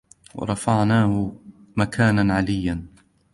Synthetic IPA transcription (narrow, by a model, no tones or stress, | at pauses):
wɑ̰ɾˤɑfaʕnaːhʊ | makʰaːnanʕalɪjːan